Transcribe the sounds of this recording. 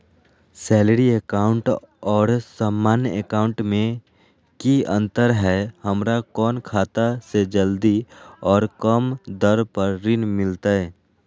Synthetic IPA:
sɛːləɾieːkaːʊ̃ɳʈ | ɔːɾsaːmːaːnjəekaːʊ̃ɳʈmẽ | kiə̃nt̪əɾɦɛhəmɾakɔːnkʰaːt̪ased͡ʒəld̪iɔːɾkəmd̪əɾpəɾːɪnmɪlt̪aɦɛː

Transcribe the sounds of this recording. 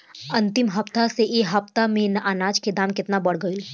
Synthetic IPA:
ɐ̃nt̪ɪmɦɐpt̪aseʔeːɦɐpt̪amẽnɐʔanaːd͡ʒked̪aːmkɪt̪nabɐɽ̤ɡəil

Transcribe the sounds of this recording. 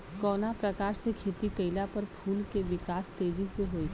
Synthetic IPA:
kɔːnapɾɐkaːɾsekʰeːt̪ikɐɪlapɐɾpʰuːlkeʋɪkaːst̪eːd͡ʒiseɦoːiː

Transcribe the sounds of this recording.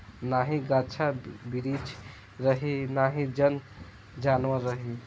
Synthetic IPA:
naɦĩɡat͡ʃʰabiɾit͡ʃ | ɾəɦinaɦĩd͡ʒən | d͡ʒanʋəɾəɦi

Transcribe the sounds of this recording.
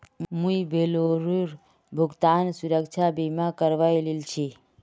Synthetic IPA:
mũibʱeloɾuɾ | bʱuɡt̪ansuɾəkt͡ʃʰabimakəɾʋajlilt͡ʃʰi

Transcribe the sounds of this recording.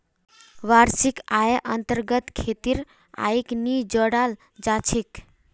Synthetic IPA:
ʋaɾsikaeʔənt̪əɾɡət̪kʰet̪iɾ | a̰iknid͡ʒəɽal | d͡ʒat͡ʃʰek

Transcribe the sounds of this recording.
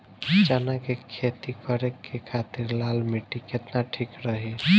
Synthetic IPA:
t͡ʃanakekʰet̪ikʌɾekːekʰat̪iɾlalmiʈiket̪naʈʰikɾəɦi

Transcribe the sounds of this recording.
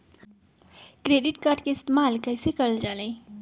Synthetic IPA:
kɾeɖiʈkaːɾɖkeɪst̪emaːlkəɦɪsekəɾəld͡ʒaːlẽ

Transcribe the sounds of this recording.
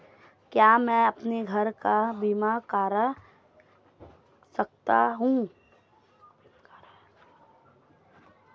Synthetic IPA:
kjaːmɛ̃ɐpneɡʱɐɾkabiːmakaːɾ | sɐk̚t̪a̰ɦũ

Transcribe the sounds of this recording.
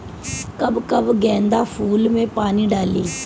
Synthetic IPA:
kəbkəbɡɛ̃ːnd̪aːpʰuːlmẽːpaːniːɖaːliː

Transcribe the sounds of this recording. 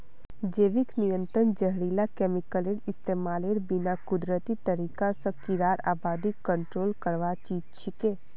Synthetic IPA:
d͡ʒeːʋɪknijə̃nt̪ɾənd͡ʒəɦɾiːlakɛːmɪkəleɽɪst̪eːmaːleɽbɪnakʊd̪ɾət̪it̪əɾiːkasə̃kɪɾaːɾa̰ːbaːd̪ikːə̃ɳʈɾoːlkəɾʋat͡ʃiːd͡ʒt͡ʃʰɪkẽː

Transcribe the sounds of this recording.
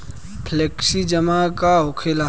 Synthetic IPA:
pʰleːksid͡ʒəmakaɦokʰela

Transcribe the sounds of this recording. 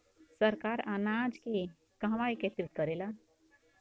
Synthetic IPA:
səɾkaːɾanad͡ʒke | kaɦʋaiket̪ɾit̪̚kəɾela

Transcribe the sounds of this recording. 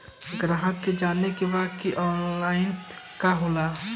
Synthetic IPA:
ɡɾaɦə̃ked͡ʒaːnːekebakiʔɔːnlaːɪn | kaɦoːlaː

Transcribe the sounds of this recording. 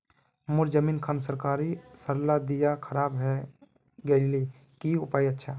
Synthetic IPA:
moɾd͡ʒəmiːnkʰansəɾkaɾisəɾlad̪ijakʰəɾaːbɦɛ | ɡəɪli | kiʊpaːjətːʃʰa

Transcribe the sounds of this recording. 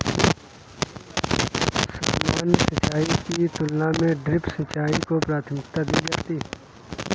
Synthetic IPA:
sa̰ːmaːnsət͡ʃaːikit̪ʊlːamẽɖɾɪpsət͡ʃaːikopɾaːt̪ʰmɪkt̪ad̪iːd͡ʒaːt̪iː

